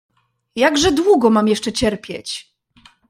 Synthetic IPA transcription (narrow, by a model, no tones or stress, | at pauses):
jaɡʐɛd̪wuɡɔmamjɛʂt͡ʂɛt͡ɕɛɾpʲjɛ̰t͡ɕ